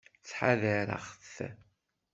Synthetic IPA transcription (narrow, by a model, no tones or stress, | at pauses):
t͡sːħaðəɾə̰χθ